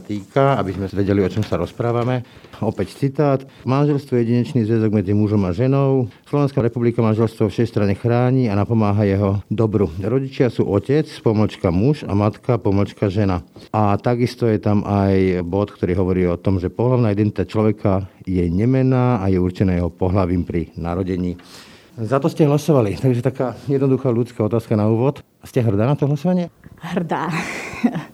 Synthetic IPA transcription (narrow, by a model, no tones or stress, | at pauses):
t̪iːkaabizmɛʋɛɟɛliɔt͡ʃɔmsaɾɔspɾaːʋamɛɔpɛct͡sit̪aːt̪manʒɛlst̪ʋɔjɛjɛɟiɲɛt͡ʃniːzʋɛzɔɡmɛd͡zimuʒɔmaʒɛnɔʊslɔʋɛnskaɾɛpublikamanʒɛlst̪ʋɔfʃɛst̪ɾaɲɛxɾaːɲiːanapɔmaːɦajɛɦɔd̪ɔbɾuɾɔɟit͡ʃɪasṵːʔɔcɛt͡spɔmalt͡ʃkamuʒa̰mat̪kapɔmalt͡ʃkaʒɛnaʔat̪aɡist̪ɔjɛt̪amʔajbɔt̪kt̪ɔɾiːɦɔʋɔɾiːɔt̪ɔmʒɛpɔɦlaʊnaːid̪ɛnt̪it̪at͡ʃlɔʋɛkʰajɛɲɛmɛnaːajɛuɾt͡ʃɛnaːjɛɦɔpɔɦlaʋiːmpɾinaɾɔɟɛɲiː | zat̪ɔscɛɦlasɔʋalit̪aɡis̬t̪ɔt̪akaːjɛd̪nɔd̪uxaːlut͡skaːɔt̪aːskanauːʋɔt̪ | scɛɦr̩d̪aːnat̪ɔɦlasɔʋaɲɪɛɦrd̪aː